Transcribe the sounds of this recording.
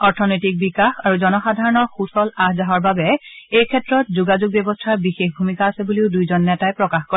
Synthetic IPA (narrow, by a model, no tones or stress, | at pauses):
ɔɹtʰɔnɔjtik̚bikaxaɹuzɔnɔxadʱaɹɔnɔɹxusɔlahzaɦɔɹbabɛejkʰɛtɹɔtzuɡazuɡ̚bjɔbɔstʰaɹbixexbʱumikaːsɛbuleʊdujzɔnːɛtajpɹɔkaxkɔ